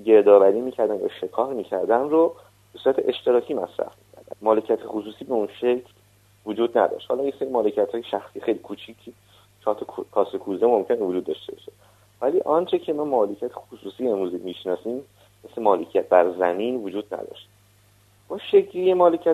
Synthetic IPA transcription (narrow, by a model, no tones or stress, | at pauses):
ɟe̞ɾd̪ɒːvæɾiːmiːcʰæɾd̪ænjæ̰ʃe̞kʰɒːɾmiːcʰæɾd̪ænro | b̥esuːɾæt̪ʰeʔeʃt̪e̞ɾɒːcʰiːmæsɾæ̰fmicʰæɾd̪æ̰nmɒːlecʰiæt̪ʰexusuːsiːbeunʃecʰl | vod͡ʒuːd̪næ̰d̪ɒ̰ʃt̪hɒ̰ːlɒːjeseɾimɒːlecʰiæt̪hɒːjeʃæxsijexejlikʰuːt͡ʃʰicʰi | t͡ʃʰɒːɾt̪ʰɒkʰɒːsekʰuːzemo̞mcʰe̞nevod͡ʒuːd̪ːɒʃt̪ebɒʃe̥ | væliːʔɒnt͡ʃʰe̞cʰe̞mɒːmɒːlecʰijæt̪ʰexusuːsiːe̞mɾuːzimiʃnɒːsiːm | meslemɒːlecʰijæt̪̚bæɾzæmiːnvod͡ʒuːd̪̚næ̰d̪ɒ̰ʃt̪ | b̥ɒʃecʰɾijemɒːle̞cʰiæ